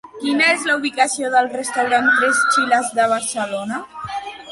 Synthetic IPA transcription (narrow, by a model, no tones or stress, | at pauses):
kinəezləuβikəsioðəlˠrəst̪awɾankɾest͡ʃilazðəβ̞aɾsəlona